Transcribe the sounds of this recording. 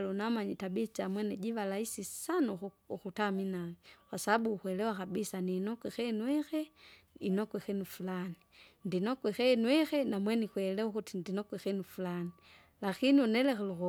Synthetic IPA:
lunamaɲitabit͡ʃamwɛnɛɟiʋalaisisanu | ukutaminawɛwasaaɓuːxwɛlɛwakabisaniːnɔkwɛxɛnwɛxɛ | inɔkwɛxɛnufulanindinɔkwɛxɛnwɛxɛnamwɛnikwɛlɛukutindinɔkwɛxɛnufulani | lakiniunɛlɛxɛluɔ

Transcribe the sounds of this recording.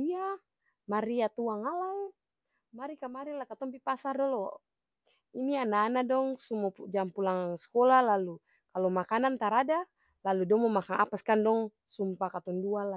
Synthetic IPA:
ia | maɾiat̪uaŋalai | maɾikamaɾinlakat̪ɔmpipasardɔlɔ | inianaːnadɔŋsumɔud͡ʒampulaŋŋskɔlalalu | kalɔmakanant̪aɾada | laludɔŋmɔmakaŋapaskandɔŋ | sumpakat̪ɔnduala

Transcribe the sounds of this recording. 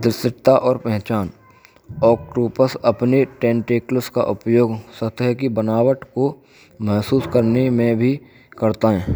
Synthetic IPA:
d̪ɪsɪʈt̪aʔɔːɾpɛɦt͡ʃaːn | ɔːkʈuːpəsəpneʈẽːɳʈeːkləska̰ʔʊpjoːɡsət̪ɦɛkibənaːwəʈko | mɛɦsuːskəɾnemẽbʱi | kəɾt̪aɦɛː

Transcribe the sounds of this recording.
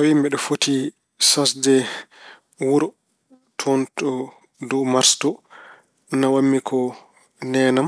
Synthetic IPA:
awimbɛɗɔfoti | sasdɛ | wuɾ | tʰɔntɔ | dɔmaɾstɔ | nawamːikʰɔ | nɛːnam

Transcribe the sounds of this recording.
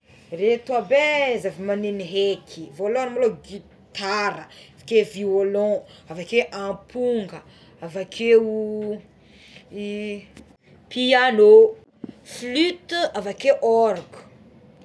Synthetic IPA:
ret̪uabezavimaneniɦekʰivoloanamaloɡi | t̪aɾəavakeviolɔ̃avakeʔãpʰuŋɡə | avakʰeu | piano | flyt̪avakeʔɔɾku̥

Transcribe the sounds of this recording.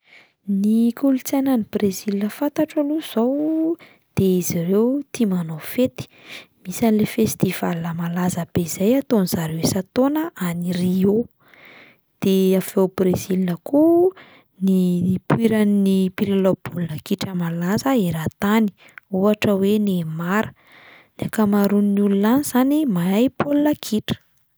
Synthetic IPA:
nikulut͡sajnanibrezilinəfant̪aʈ͡ʂaluz̥ow | d̪̥eizirewt̪imanofet̪i̥misanlefest̪iv̥alnəmalazəb̥eizajat̪onizaɾewesat̪onəʔanirio | d̪̥eafewbrezilinəku | nipwiɾaninipiɾalob̥ulnəkiʈ͡ʂəmalazəeɾat̪ani̥ | uaʈ͡ʂəwenemaɾə̥ | nakamaɾuninulunaniz̥animaajpʰolunakʰiʈ͡ʂə̥

